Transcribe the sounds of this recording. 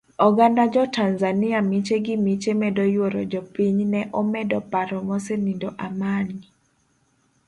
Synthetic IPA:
ɔɡandad͡ʒɔtanzaniamit͡ʃeɡɪmit͡ʃemɛdɔjwoɾɔ̰d͡ʒɔpiɲnɛʔɔmɛdɔpaɾɔmɔsenidɔʔamani

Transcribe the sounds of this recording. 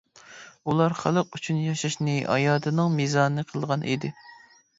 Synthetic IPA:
ulˠɑɾχælˠəqyt͡ʃʰynjɑʃɑʃnɨʔɑ̰jɑːd̪ɨnɨŋmizɑːnɨqʰəlˠʁɑnʔḭd̪ɪ

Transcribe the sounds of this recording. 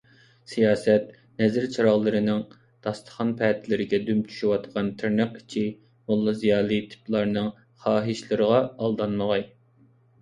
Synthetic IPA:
sijɑːsɛt̪ | nɛzɪɾt͡ʃʰɑɾɑʁlˠɨɾɨnɪŋ | d̪̥ɑst̪ʰə̥χɑnpʰɛːt̪ʰɪlɪɾɪɡʲɛd̪ymt͡ʃʰy̥ʃywɑt̪qʰɑnt̪ʰyɾnɨqi̥t͡ʃʰi | mulˠːɨzijɑːlˠɨt̪ʰi̥plˠɑɾnɨŋ | χɑːɦɨʃlˠɨɾəʁɑɑlˠd̪ɑnməʁɑj

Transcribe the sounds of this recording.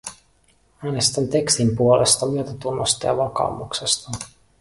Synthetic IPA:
æːnest̪ænt̪e̞kst̪impuolʔest̪ɑmyøt̪æt̪unːost̪ɑ̰jɑ̰ʋɑkɑ̰umuksest̪ɑ

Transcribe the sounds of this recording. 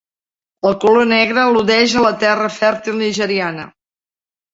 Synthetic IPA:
əlˠkulonɛɣɾəːluðɛʒələt̪ɛrəfɛɾt̪ilˠniʒəɾianə̰

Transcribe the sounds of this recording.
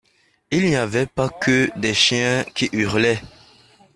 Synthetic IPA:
ilniavɛpakəd̪ɛʃjɛ̃kiʔyʁlɛ

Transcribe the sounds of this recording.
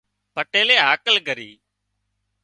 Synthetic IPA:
pəʈeːleːɦaːkəlɡəɾiː

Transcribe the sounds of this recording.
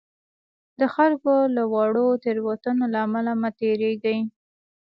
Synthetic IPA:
d̪əxalkolawɑɽot̪eɾwat̪ənolaːmalamat̪eɾeɡai

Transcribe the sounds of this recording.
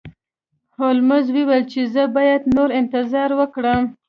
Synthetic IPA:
holmazwewalt͡ʃezəbɑjad̪noɾɪnt̪ɪzɑɾwəkɽəm

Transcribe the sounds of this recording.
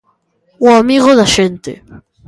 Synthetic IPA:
uamiɣoðaʃent̪ḛ

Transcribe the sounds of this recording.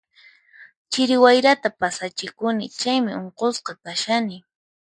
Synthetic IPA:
t͡ʃɪɾɪwajɾat̪apasat͡ʃɪkʊnɪt͡ʃajmɪʔoɴqosqɑkaʃanɪ

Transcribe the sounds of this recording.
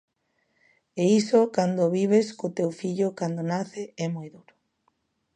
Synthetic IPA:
eisokand̪oβiβ̞eskot̪ewfiʎokand̪onaθeɛmojðuɾo̥

